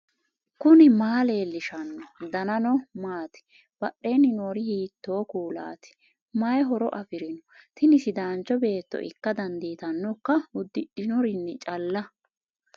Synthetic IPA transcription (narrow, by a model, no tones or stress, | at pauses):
kʊnɪmaːle̞ːlːɪʃɐnːɔd̪ɐnɐnɔmaːt̪ɪ̥ | b̥ɐɗːe̞ːnːɪnoːɾɪhiːt̪ːo̞ːkuːla̰ːt̪ɪ̥ | majɦɔɾɔ̰ʔɐfɪɾɪnɔt̪ɪnɪsɪd̪aːnt͡ʃːɔbe̞ːt̪ːɔ̰ʔɪ̰kːɐd̪ɐnd̪iːt̪ɐnːɔkːɐʊd̪ːɪᶑɪnɔɾɪnːɪt͡ʃʼɐlːɐ